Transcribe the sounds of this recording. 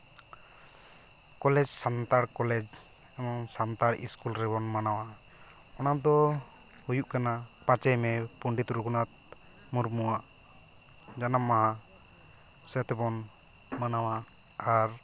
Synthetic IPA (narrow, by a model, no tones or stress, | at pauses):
kɔlɛd͡ʒsant̪aɽkɔlɛd͡ʒ | ɛmɔŋsant̪aɾḭskulɾɛbɔnmanawa | ɔnad̪ɔ | hujuʔkanapat͡ʃɛjmɛpuɳɖit̪ɾukunat̪̚ | muɾmuwaʔ | d͡ʒanamːaɦa | sɛt̪ɛbɔn | manawa | aɾ